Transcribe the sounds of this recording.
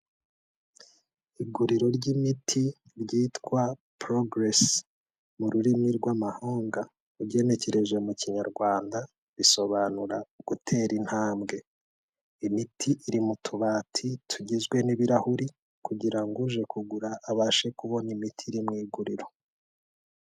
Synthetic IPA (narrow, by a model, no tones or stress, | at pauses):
iɡuɾiɾo̞ɾɟimitʰi | ɾɟiːtkwapɾoɡɾes | muɾuɾimiɾɡwamahoːŋɡa | uɟe̞ne̞ce̞ɾe̞ʒe̞muciɲaɾɡwaːnda | βiso̞βanuɾaɡ̥utʰe̞ːɾin̥haːmɡe̞ | imitʰiʔiɾimutʰuβaːtʰitʰuɟizɡwe̞niβiɾahuɾi | kuɟiɾaŋɡuʒe̞kuɡuɾaʔːβaːʃe̞kuβo̞nimitʰiɾimŋiːɡuɾiɾo̞